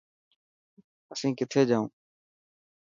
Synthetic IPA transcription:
əsĩːkɪt̪ʰeːd͡ʒaːũː

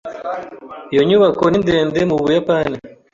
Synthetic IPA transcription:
ijoɲuβakoninde̞ːnde̞muβujapaːni

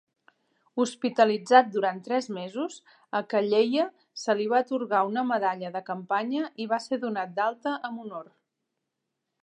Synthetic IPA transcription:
uspit̪əlid͡zat̪̚d̪uɾant̪ɾɛzmezuz | əkəʎejə | səliβ̞at̪uɾɣaunəməðaʎəðəkəmpaɲəʔiβ̞aseðunat̪̚d̪alˠt̪əʔəmunor

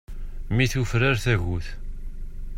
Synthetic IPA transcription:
miθufɾaɾθæʝuθ

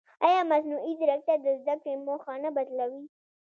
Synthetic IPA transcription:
ɑjɑmaznuʔid̪ɾak̚t̪ad̪əzd̪akɽemoxɑnabad̪lawi

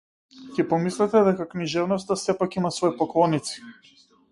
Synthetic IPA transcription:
cɛpɔmislɛt̪ɛd̪ɛkakniʒɛvnɔst̪asɛpakimasvɔipɔklˠɔnit̪si̥

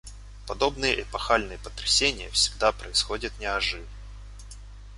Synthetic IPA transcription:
pɐd̪o̞bnɨjəʔɪpɐxalʲnɨjəpə̥t̪ɾʲɪsʲenʲɪjəfsʲɪɡ̚d̪apɾəɪsxo̞dʲɪt̪nʲɪɐʐɨv

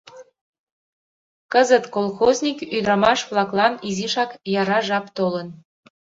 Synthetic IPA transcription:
kəzət̪kolˠxozʲnʲikyd̪ɾɑmɑʃβlɑklˠɑniziʃɑkjɑɾɑʒɑpt̪olən

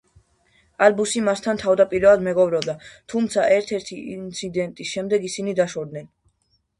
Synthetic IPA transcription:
albusimast̪ʰant̪ʰavd̪apʼiɾɛad̪mɛɡɔbɾɔbd̪at̪ʰumt̪sʰaʔɛɾt̪ʰɛɾt̪ʰiint̪sʰid̪ɛnt̪ʼisʃɛmd̪ɛɡisinid̪aʃɔd̪̚nɛn

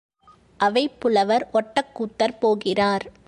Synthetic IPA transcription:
ʔɐʋɐɪpːʊlɐʋɐɾʔɔʈːɐkːuːt̪ːɐɾpoːɣɪraːɾ

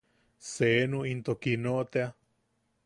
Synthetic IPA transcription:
senũint̪okinoʔt̪ea

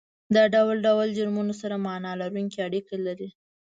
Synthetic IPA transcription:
d̪ɑɖawlɖawld͡ʒʊɾmunosaɾamɑnɑlaɾuŋkiaɽikelaɾi

